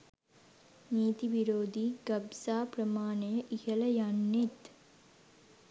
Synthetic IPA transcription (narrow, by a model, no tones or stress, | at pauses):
niːt̪iʋiɾoːd̪iːɡɐbsaːprəmaːnejəʔihəlɐjanːet̪